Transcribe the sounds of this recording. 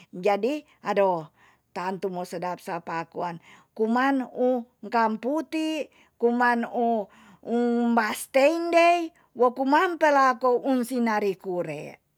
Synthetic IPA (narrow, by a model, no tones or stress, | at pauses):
d͡ʒadi | ado | t̪ant̪umosədap̚sapakuankumanuŋkamput̪i | kumanu | umbast̪eindei | wokumampelakounsinaɾikuɾɛ̰